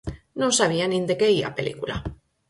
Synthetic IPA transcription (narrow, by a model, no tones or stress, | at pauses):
nõnsaβ̞ianĩnd̪ekeia̰pelḭkula